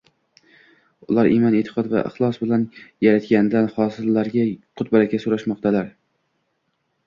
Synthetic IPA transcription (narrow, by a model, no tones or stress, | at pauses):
ʊlˠaɾʔimɒnet̪ʰɪ̥qʰɒd̪va̰ʔɪ̰χlˠɒsbɪlanjaɾat̪kʲand̪anhɒsɪlːaɾɡʲaqʰʊt̪̚baɾakʲasoɾaʃmɒqt̪ʰalaɾ